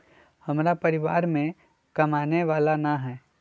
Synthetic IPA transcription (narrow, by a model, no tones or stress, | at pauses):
hɐmɾapɐɾɪʋa̰ːɾmẽ | kɐmaːneʋaːlanaɦɛː